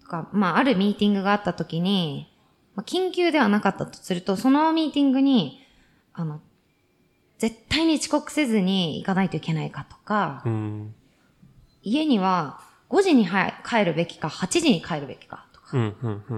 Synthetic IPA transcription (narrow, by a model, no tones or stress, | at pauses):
t̪o̥kamaaɾɯ̟mʲiːt̪ʲĩŋɡɯ̟ɡaːt̪ːat̪o̞kʲiɲ̟i | makʲĩŋkʲɨːd̪e̞βanakat̪ːat̪o̥sɨɾɯ̟t̪o̞so̞no̞mʲiːt̪ʲĩŋɡɯ̟ɲ̟i | ano̞ | d͡ze̞t̪ːaiɲ̟it͡ɕi̥ko̞kɯ̟̥se̞zɨɲ̟iḭkanait̪o̞ike̞naikat̪o̞̥ka | ie̞ɲ̟iβ̞a | ɡ̥o̞ʑiɲ̟iɦakʰae̞ɾɯ̟be̞kʲi̥kahat͡ɕiʑiɲ̟ikʰaeɾɯ̟be̞kʲi̥kat̪o̥kḁ